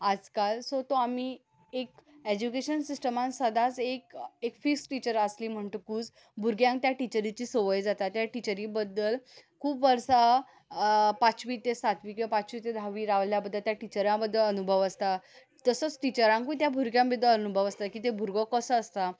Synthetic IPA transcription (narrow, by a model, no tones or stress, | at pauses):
ad͡zkalsot̪oami | ek | ed͡ʑukeɕənsisʈəmãnsəd̪ʱat͡sekekfiksʈit͡ɕəɾasliːm̤əɳt̪okuːt͡s | bʱuɾɡjãŋkt̪jaʈit͡ɕəɾit͡ɕiːsoʋəjd͡zat̪at̪jaʈit͡ɕəɾibəd̪ːəlkʰuːpʋəɾsa | pat͡ɕʋit̪esat̪ʋikiapat͡ɕʋit̪ed̪ʱaʋiɾaʋljabəd̪ʱːəlt̪jaʈit͡ɕəɾãbəd̪ːələnubʱəʋəst̪a | t̪əsət͡sʈit͡ɕəɾãŋkut̪̬jabʱuɾɡjãmbəd̪ələnubʱəʋəst̪akiːt̪ebʱuɾɡɔkəsəːst̪a